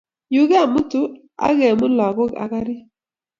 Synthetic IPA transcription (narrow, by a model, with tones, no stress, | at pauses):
ju˨ɣa˦˨mʊ˦tu˦ | a̰˦ɣe˨mʊ˦lɔ˨ɣɔ˦a̰˨ka˦ɾɪ˦